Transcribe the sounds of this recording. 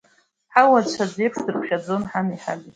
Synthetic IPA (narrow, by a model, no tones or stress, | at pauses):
ħawat͡ʃʷʰad͡zepʰʂdɨrkʷʰʃad͡zo̞nħaniħa̰li